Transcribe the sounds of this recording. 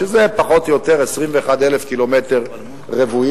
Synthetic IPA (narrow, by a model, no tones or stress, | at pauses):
ezepaχo̞t̪jo̞t̪eʁesʁimveːχad̪elefkilo̞meteʁ | ʁevui